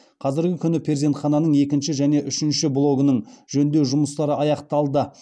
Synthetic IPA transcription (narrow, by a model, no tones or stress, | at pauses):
qʰɑzɪɾɡʲɪkʲʰʏnɪpʰɾeze̞nt̪χɑnɑnəɴe̞kʲɪnʃɪʒæne̞ʔʏʃɪnʃɪblˠo̞ɡənəɴʒɵnd̪e̞ʒʊməst̪ɑɾəɑjɑqt̪ɑlˠd̪ə